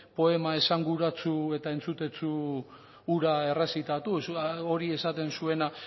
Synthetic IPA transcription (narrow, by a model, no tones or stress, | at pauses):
po̞e̞mae̞saŋɡuɾat͡sue̞t̪ae̞nt͡sut̪e̞t͡suː | ɾae̞resit̪at̪uso̞ɾie̞sat̪e̞nsue̞na